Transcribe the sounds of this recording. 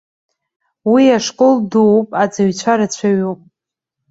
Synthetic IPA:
wiaʂkʼoldowpʼad͡zaɥt͡ɕʷʰaɾat͡ɕʷʰaɥupʼ

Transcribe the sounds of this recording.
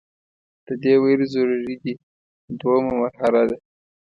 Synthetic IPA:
d̪̥əd̪eweɾizoɾaɾid̪i | d̪wamamaɾɦaɾad̪a

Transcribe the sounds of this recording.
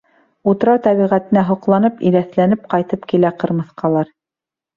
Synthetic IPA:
ut̪̆ɾɑt̪æβiʁæt̪ɘ̆næɦŏqlˠɑnɤpḭɾæθlænɘp̚qɑjt̪ɤpkilæqɤ̆ɾmɤ̆θqɑlˠɑɾ

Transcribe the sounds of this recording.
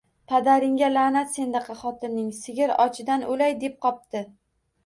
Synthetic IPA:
pʰad̪aɾɪŋɡʲalanat̪se̞nd̪aqʰɑχɒt̪ʰɪnːɪŋsɪɡʲɪɾɒ̰t͡ʃʰɪd̪anʔolajd̪e̞p̚qʰɒp̚t̪ɪ

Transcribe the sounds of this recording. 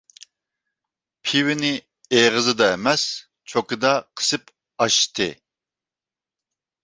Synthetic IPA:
pʰiwɪnɪ | eʁəzɨd̪ɑɛmɛs | t͡ʃʰokɨd̪ɑqʰə̥sɨp | ɑʃt̪ʰɨ̰

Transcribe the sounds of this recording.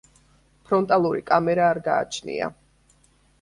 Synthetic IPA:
pʰɾɔnt̪ʼalˠuɾikʼamɛɾaːɾɡa̰ːt͡ʃʰnḭa̰

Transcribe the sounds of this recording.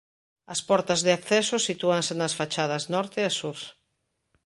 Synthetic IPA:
ɐspɔɾt̪ɐzðeakθɛsosit̪uɐŋsenɐsfat͡ʃað̞ɐznɔɾt̪easuɾ

